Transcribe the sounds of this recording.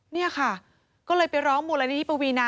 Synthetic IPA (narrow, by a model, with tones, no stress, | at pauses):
ni˥˩ɐkʰa˥˩ | kɔː˥˩lɤː˧jpa˧jɾɔː˦˥ŋmuː˧la˧niː˦˧t̪ʰi˦˩pa˧wiː˧naː˧